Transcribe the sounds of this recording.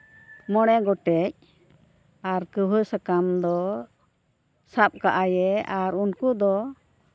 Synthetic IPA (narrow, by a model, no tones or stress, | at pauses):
mɔɽ̃ɛɡɔʈɛc̚ | aɾkəbʱəsakamd̪ɔ | sap̚kaʔajɛaɾunkud̪ɔ